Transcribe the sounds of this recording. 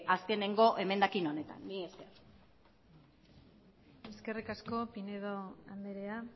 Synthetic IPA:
aske̞ne̞ŋɡo̞ʔe̞me̞nd̪akino̞ne̞t̪a̰nːiest̪er | e̞ske̞rikasko̞pineðoand̪eɾea

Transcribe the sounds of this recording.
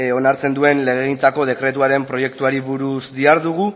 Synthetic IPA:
o̞naɾt͡se̞nd̪ue̞nle̞ɣ̞eɣint͡sako̞ð̞e̞kɾe̞t̪̬uaɾe̞mpɾo̞je̞kt̪uaɾiβuɾusd̪iaɾðuɣ̞u

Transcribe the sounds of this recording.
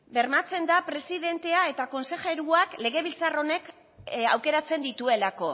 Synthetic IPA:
be̞ɾmat͡se̞nd̪apɾe̞siðe̞nt̪e̞ae̞t̪ako̞nse̞ʝe̞ɾuakle̞ɣ̞e̞β̞ilt͡saro̞ne̞k | a̰wke̞ɾat͡se̞nd̪it̪ue̞lako̞

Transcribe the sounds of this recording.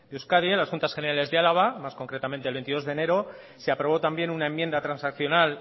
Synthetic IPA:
d̪euskaðielasxunt̪asxene̞ɾale̞zðealaβamasko̞ŋkɾe̞t̪ament̪elβent̪iðo̞zðene̞ɾo | seapɾo̞β̞o̞t̪ambje̞nunae̞mje̞nd̪at̪ɾansakθjo̞nal

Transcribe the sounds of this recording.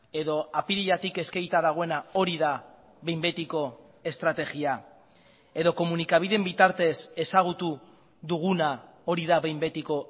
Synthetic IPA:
e̞ðo̞apiɾiʎat̪ike̞skejt̪aðaɣ̞o̞e̞nao̞ɾiða | βe̞jmbe̞t̪iko̞ | e̞st̪ɾat̪e̞ɣia | e̞ðo̞ko̞munikaβ̞iðe̞mbit̪aɾt̪e̞se̞saɣ̞ut̪u | ðuɣ̞una | o̞ɾiðaβe̞jmbe̞t̪iko̞

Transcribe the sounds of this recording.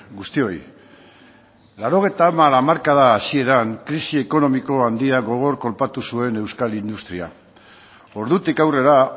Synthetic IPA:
ɡust̪io̞j | laɾo̞ɣ̞e̞jt̪amalamaɾkaðaːsie̞ɾaŋkɾisie̞ko̞no̞miko̞and̪iaɣo̞ɣ̞o̞ɾko̞lpat̪usue̞ne̞wskalind̪ust̪ɾia̰ | o̞ɾðut̪ikawre̞ɾa

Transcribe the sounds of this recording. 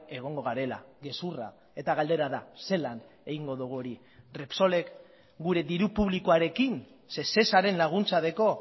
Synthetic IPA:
e̞ɣ̞o̞ŋɡo̞ɣaɾe̞la̰ɣe̞sura̰ | e̞t̪aɣald̪e̞ɾaðase̞lan | e̞ɣiŋɡo̞ðuɣuoɾi | repso̞le̞k | ɡuɾe̞d̪iɾupuβlikoaɾe̞kin | se̞se̞saɾe̞nlaɣ̞unt͡saðe̞ko̞

